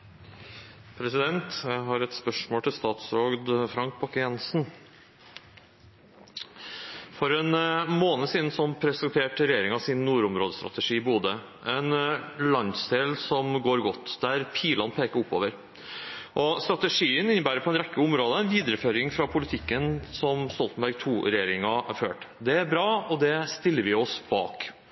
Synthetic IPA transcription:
pʰɾɛsɪd̪ɛnt̪jɦɑɾɛt̪spœʂmoːlʈ̪ɪlst̪ɑːt̪sɾoːɡd̪fɾɑŋk̚bʰɑkəjɛnsn̩ | fɔɾɛnmoːnəsiːd̪n̩sɔpʰɾɛsɛnt̪ʰeːʈɾɛjeːɾɪŋɑsɪnːuːɾʊmɾoːd̪əst̪ɾɑ̰t̪əʂiːɪbuːd̪ə | ʔɛnlɑnd̪sd̪eːlsɔmɡoːɾɡɔt̪ːd̪̥æɾpʰiːlɑnpʰeːkəɾʊpːo̰ːʋəɾ | ʔɔst̪ɾɑt̪əʂiːənɪnːəbæːɾəpɔɛnɾɛkːəʊmɾoːd̪əɛɪnʋiːd̪əɾəføːɾɪŋfɾɑpʰʊlɪt̪ʰɪkːənsɔmst̪ɔlt̪n̩bæɾɡ̚t̪ʰuːɾɛjeːɾɪŋɑæɾføːʈd̪ɛæɾbɾɑːɔd̪ɛst̪ɪlːəɾʋɪɔsb̥ɑ̰ːk

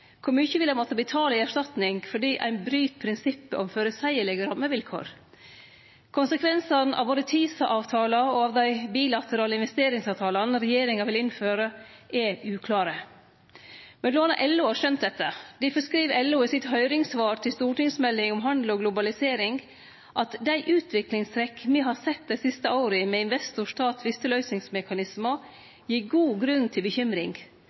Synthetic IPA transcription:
kʰʊɾmʉːçəʋɪlːæmɔt̪əbɪt̪ʰɑːləɪæʂtɑt̪nɪŋfɔɖiːʔæ̰ɪnbɾyːt̪pʰɾɪnsɪpːə̰ʔɔmføːɾəsæɪəɭɛɡəɾɑmːəʋɪlkʰo̰ːɾ | kʰʊnsəkʰʋɛnsɑnʔɑ̰ʋʋoːɾət̪ʰiːsɑʔɑːʋt̪ʰɑːlɑɔɑːʋd̪æɪbiːlɑt̪ʰəɾɑːləɪnʋɛst̪eːɾɪŋsɑːʋt̪ʰɑːlɑnɾɛjeːɾɪŋɑʋɪlɪnføːɾəʔɛʔʉːkʰlɑːɾə | mɛnloːnɑʔɛlːʊhɑːʂœnt̪̚d̪ɛt̪ːəd̪ɪfəskɾiːʋɛlːʊɪsɪt̪ɦœʏɾɪŋsʋɑːɾt̪ʰɪlst̪uːʈɪŋsmɛlːɪŋɔmɦɑnd̪l̩ɔɡlʊbɑlɪseːɾɪŋɡ | ʔɑt̪d̪æɪʔʉːt̪ʰʋɪklɪŋst̪ʰɾɛkːmiːɦɑɾsɛt̪̚d̪æɪsɪst̪əaʊɾəmɛɪnʋɛst̪ʊʂʈɑːt̪ʋɪst̪əlœʏsnɪŋsmɛkɑnɪsmɑ | jiːɡuːɡɾʉnːt̪ʰɪlbəçʏmɾɪ̰ŋ

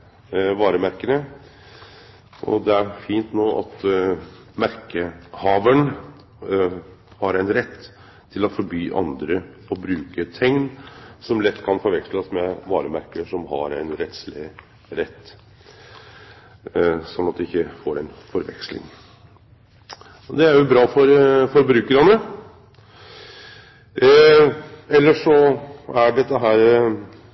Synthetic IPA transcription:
ʋɑːɾəmæɾkənə | ʔɔ̰d̪ɛæɾfiːnt̪noːʔɑ̰t̪ | mæɾkəhɑːʋəɳ | hɑɾæɪnɾɛt̪ːʰ | ɪlɔfɔɾbyːʔɑ̰nd̪ɾəɔbɾʉːkət̪ʰɛŋnsɔmlɛt̪ːkʰɑnfɔɾʋɛksləsmɛʋɑːɾəmæɾkəʂɔmɦɑɾæɪnɾɛt̪slɪ | ɾɛt̪ː | sɔnːɑt̪̚d̪ɛɪçːəfoːɾɛnfɔɾʋɛ̰kslɪ̰ŋ | d̪ɛæɾjʊbɾɑːfɔɾfɔɾbɾʉːkəɾɑnə | ɛlːəʂɔæɖɛt̪ːəɦæːɾ

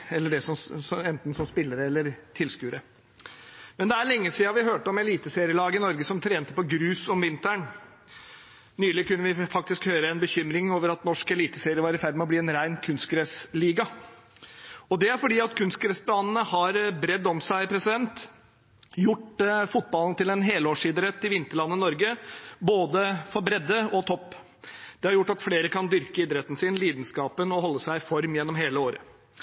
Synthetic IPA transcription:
ɛlːəɖɛsɔmsɔɛnt̪n̩sɔmspɪlːəɾəɛlːəɾt̪ʰɪlskʉːɾə | mɛnd̪ɛæɾɭɛŋːəsiːɑʋɪɦøːʈəɔmɛliːt̪əseːɾɪəlɑːɡəɪnɔɾɡəsɔmt̪ʰɾeːnt̪əpɔɡɾʉːsɔmʋɪnt̪æɳ | nyːlɪkʉnːəʋɪfɑkt̪ɪskhøːɾəɛnbəçʏmɾɪŋoːʋəɾɑt̪nɔʂkɛliːt̪əseːɾɪəʋɑːɾɪfæɾmɛɔbliːɛnɾæɪnkʰʉnst̪̚kɾɛsliːɡɑ | ɔd̪ɛæɾfɔɖiːɑt̪kʰʉnst̪̚kɾɛsb̪ɑːnnəhɑɾbɾɛd̪ːɔmsæɪpʰɾɛsɪd̪ɛnt̪ | jʊʈfʊt̪̚bɑlənət̪ɪlɛnɦeːloːʂɪd̪ɾət̪ːɪʋɪnt̪əɭɑnːənɔɾɡəboːd̪əfɔɾbɾɛd̪ːəɔt̪ʰɔpː | d̪̥ɛhɑɾjʊʈːɑt̪fleːɾəkʰɑnd̪ʏɾkəɪd̪ɾɛt̪ːn̩sɪnliːd̪nskɑːpənɔhɔlːəsæɪɪfɔɾmjɛnːɔmɦeːləoːɾə̰

